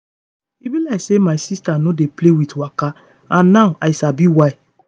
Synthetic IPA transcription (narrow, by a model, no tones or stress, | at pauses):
ivĩlaɪsemaɪsistanodeplewitwaka | ãnːaʊʔajsabiwaɪ